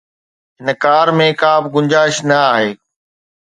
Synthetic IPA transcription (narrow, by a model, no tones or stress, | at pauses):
ɦɪnkaːɾmẽkãːbɪɡʊ̃ɲd͡ʑaːɪʃnɐaːɦeː